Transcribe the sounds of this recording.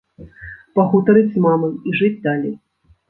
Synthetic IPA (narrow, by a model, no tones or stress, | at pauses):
pɐɣut̪ɐɾɨd͡zʲzmamɐmiʐɨd͡zʲd̪alʲḛj